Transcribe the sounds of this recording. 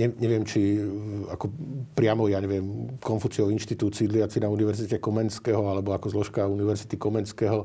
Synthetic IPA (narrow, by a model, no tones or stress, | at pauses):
ɲɛɲɛʋɪɛmt͡ʃiakɔpɾɪamɔjaɲɛʋɪɛmkɔnfut͡siɔʊinʃt̪it̪uːt͡siːd̪liat͡sinauniʋɛɾzicɛkɔmɛnskɛɦɔalɛbɔakɔzlɔʃkauniʋɛɾzit̪ikɔmɛnskɛɦɔ